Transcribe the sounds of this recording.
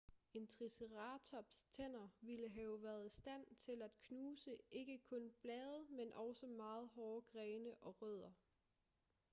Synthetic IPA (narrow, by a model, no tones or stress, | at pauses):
e̝nt͡sʰʁisəʁɑ̈ːt͡sʰɒ̽b̥st͡sʰen̰ɐʋiləɦɛːʊʋæːɐð̞ˠisd̥æn̰t͡sʰe̝læd̥kʰnuːsəʔe̝ɡ̥əkʰɔ̽nb̥lɛːð̞ˠəmenʔɒ̽ʊsəmɑ̈ːð̞̩ˠɦɒːɡ̥ʁɛːnəʔɒ̽ʁœð̞̰ˠɐ